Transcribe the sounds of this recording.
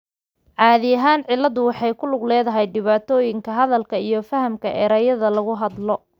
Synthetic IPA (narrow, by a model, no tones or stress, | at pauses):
ʕɑːðɪjɐɦaːnʕɪlːɐðʊwɑħɑjkʰʊlʊɡlɛːðɐɦɛjɖɪβaːt̪ʰɔːjɪŋkʰɐɦɐðɐlkʰɐijɞfɐhɐmkʰɐʔɛːɾɐːjɐðɐlɐɣʊɦɐd̪lɔ